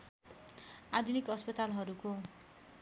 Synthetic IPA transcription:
ad̪ʱunikʌspʌt̪alɦʌɾuko

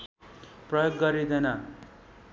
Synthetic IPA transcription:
prʌjoɡːʌɾid̪ʌjna

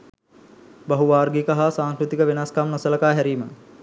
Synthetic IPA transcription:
baɦuʋaːɾɡikɐɦasaːŋkɾut̪ikəʋenaskamnɐsəlɐkaːɦæɾiːmə

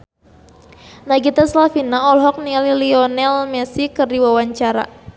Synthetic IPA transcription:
naɡit̪aslafinaɔlɦɔk̚nililiɔnɛlmɛsikɨrdiwawaɲt͡ʃaɾa̰

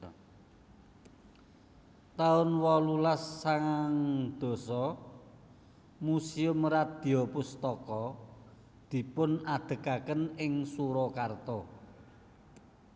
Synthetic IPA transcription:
t̪aʊnwɔlulasːaŋaŋd̪̥o̤sɔ | musiʊmrad̪̥i̤ɔpʊst̪ɔkɔ | d̪̥i̤pʊnad̪̥ə̤kakənɪŋsuɾɔkart̪ɔ

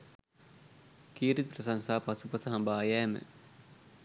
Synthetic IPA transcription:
kiːɾit̪̚prɐsɐŋsaːpɐsupɐsɐɦɐmbaːjɛːmə̰

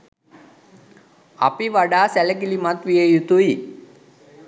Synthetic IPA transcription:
a̰piʋaɖaːsæləkilimat̪ʋijejut̪ui

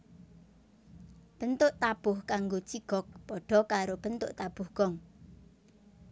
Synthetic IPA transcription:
b̥ənt̪ʊʔt̪ab̥ʊhkaŋɡot͡ʃiɡ̥ɔk̚pɔɖ̥ɔ̤kaɾob̥ənt̪ʊ̰ʔt̪ab̥ʊhɡ̥ɔŋ

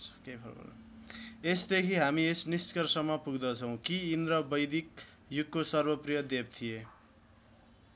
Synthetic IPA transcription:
kejpʰʌbʌ̰l̰ | esd̪ekʰiɦamiesniskʌrsʌmːʌpuɡd̪ʌt͡sʰʌ̃w̃kiːnd̪ɾʌbʌjd̪ik̚ | juk̚kosʌrbʌprijʌd̪eb̚t̪ʰije

